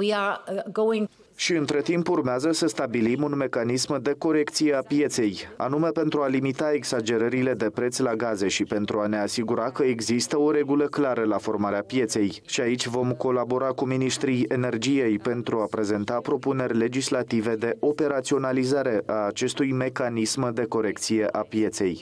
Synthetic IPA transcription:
wiaɡowɪ̃ŋ | ʃiɨnt̪ɾe̞t̪impurmeazəsəst̪abilimunme̞kanismd̪e̞ko̞ɾe̞kt̪sijeapje̞t̪se̞ja̰nume̞pe̞nt̪ɾualimit̪ae̞ɡsad͡ʒe̞ɾəɾile̞d̪e̞pɾe̞t̪sʲlaɡaze̞ʃipe̞nt̪ɾuane̞asiɡuɾakəeɡzist̪əo̞ɾe̞ɡuləklaɾəlafo̞rmaɾeapje̞t̪se̞jʃiait͡ʃʲvo̞mko̞labo̞ɾakuminiʃt̪ɾije̞ne̞rd͡ʒije̞jpe̞nt̪ɾuapɾe̞ze̞nt̪apɾo̞pune̞rʲle̞d͡ʒislat̪ive̞d̪e̞ʔo̞pe̞ɾat̪sio̞nalizaɾe̞ʔaːt͡ʃe̞st̪ujme̞kanismd̪e̞ko̞ɾe̞kt̪sije̞ʔapije̞t̪se̞j

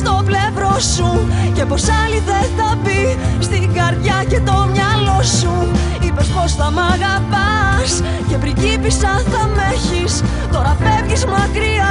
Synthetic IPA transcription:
st̪o̞ple̞vɾo̞suce̞po̞sɐliðe̞θɐbist̪iɡɐɾðʝɐce̞t̪o̞mɲɐlo̞su | ipe̞spo̞sθɐmɐɣɐpɐs | ce̞pɾicipisɐθɐmeçis | t̪o̞ɾɐfe̞vʝizmɐkɾiɐ

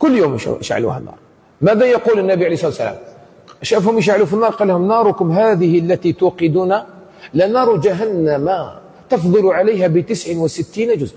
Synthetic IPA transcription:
kʊlːjom̰ʔʃʕa̰lṵhæ̰nːɑ̰ːɾˤ | mæd̪æjɑqulənːæbiʕalejsˤɑt̪ːsːæ̰la̰m | ʔæʃæfhʊməʃ̬ʕalufinːɑːɾˤqɑlːhʊmnɑɾˤʊkʊmɦad̪əhlːæt̪it̪uqəd̪una | lanɑɾˤud͡ʒaɦænːæma | t̪ɑfd̪ˤɨluʕaləjɦæbət̪əsʕənwəsət̪ːiːnad͡ʒʊzʔ

